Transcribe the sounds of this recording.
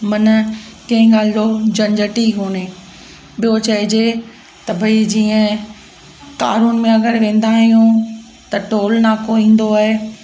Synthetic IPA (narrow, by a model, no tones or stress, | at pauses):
mɐnkɐ̃ɦɪ̃ɡaːlɪd̪od͡ʑɐ̃ɲd͡ʑəʈiɦoːneː | ɓijot͡ɕɐɦɪd͡ʑe | t̪ɐbʱɐid͡ʑiːə̃ | ka̰ːɾunmẽɐɡəɾʋẽːn̆d̪aːɦijũ | t̪ɐʈoːlnakoĩːn̆d̪oaːɦe